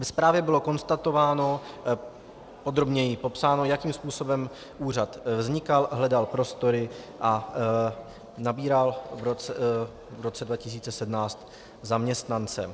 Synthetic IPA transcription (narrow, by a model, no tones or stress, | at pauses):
vɛspɾaːvjɛbɪlo̞ko̞nst̪at̪o̞vaːno̞ | po̞d̪ɾo̞bɲɛjɪpo̞psaːno̞jakiːmspuːso̞bɛm | ʔuːr̝at̪vzɲɪkalɦlɛdalpɾo̞st̪o̞ɾɪ | ʔa | nabiːɾalvɾot͡sɛ | vɾot͡sɛdvacɪs̬iːt͡sɛsɛdmnaːt͡st̪ | zamɲɛst̪nant͡sɛ